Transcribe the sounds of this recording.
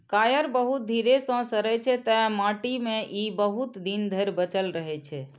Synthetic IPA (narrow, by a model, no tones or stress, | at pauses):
kajəɾbəɦut̪̚d̪ʱiɾesə̃səɾɛt͡ʃʰɛt̪ɛmaʈimeʔibəɦut̪d̪ind̪ʱəɾbət͡ʃəlɾəɦɛt͡ʃʰɛ